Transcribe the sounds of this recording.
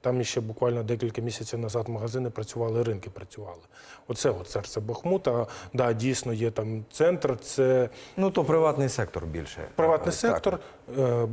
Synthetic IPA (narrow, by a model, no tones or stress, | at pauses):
t̪ɑmjiʃt͡ʃɛbʊkʋɑlʲnɔd̪ɛkʲilʲkɐmʲisʲɐt͡sʲiwnɐzɑt̪mɐɦɐzɪnɪpɾɐt͡sʲʊʋɑlˠɪɾɪnkɪpɾɐt͡sʲʊʋɑlˠɪ | ɔt̪sɛɔt̪sɛrsʲɛbɐxmut̪ɐd̪ɑdʲijsʲnɔjɛt̪ɑmt̪sɛnt̪rt̪sɛnut̪ɔpɾɪʋɑt̪nɪjsɛk̚t̪ɔ̰rbʲḭlʲʃɛ̰pɾɪʋɑt̪nɪjsɛt̪ɔr